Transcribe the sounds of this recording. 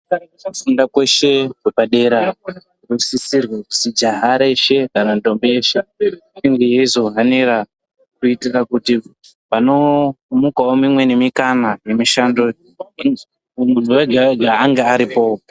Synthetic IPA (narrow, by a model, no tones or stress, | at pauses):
kan | afundakwe̞ʃe̞kwebʱaɗe̞ɾa | rusisirwekusid͡ʒaɦaɾeʃe̞ɡʱanando̞mbejeʃeiŋɡejezoɦaneɾa | kuitirakuti | pano̞mukaomimwe̞nemikanaje̞miʃando̞ | unuweɡʱaeɡʱaːŋɡeaɾipo̞